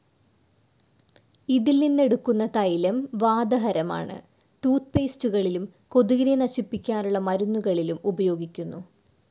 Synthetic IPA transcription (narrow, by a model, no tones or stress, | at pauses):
iðilninːe̞ɽukːunːɐt̪ɐjlɐmʋaːd̪ɐɦɐɾɐma̰ːɳɨ̰ | ʈuːt̪̚peːstuɣɐɭilum | ko̞ðuɣɾjɐnɐɕipːikʲːaːnuɭːɐmɐɾunːuɣɐɭilumubɐjo̞ːɡikʲːunːu